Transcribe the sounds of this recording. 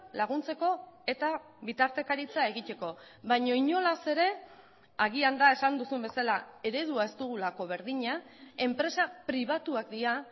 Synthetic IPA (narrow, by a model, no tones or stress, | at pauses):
laɣ̞unt͡se̞ko̞e̞t̪a | βit̪aɾt̪e̞kaɾit͡sae̞ɣit̪e̞ko̞βajɲo̞iɲo̞lase̞ɾe̞ | aɣiand̪ae̞sand̪usumbe̞salae̞ɾe̞ðuae̞st̪uɣ̞ulako̞β̞e̞ɾðiɲae̞mpɾe̞sapɾiβ̞at̪uakd̪ia